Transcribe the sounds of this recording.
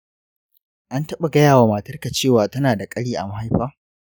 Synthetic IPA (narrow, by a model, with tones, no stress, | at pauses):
ʔa˦ntɐ˦ɓa˨ɡɐ˦jaː˨waː˨maː˨tɐ˦rka˨t͡ʃeː˦˨waː˨tɐ˦naː˨da˨kʼɐ˦ɽiː˦ʔa̰˨mɐ˦ɦa˦jɸaː˦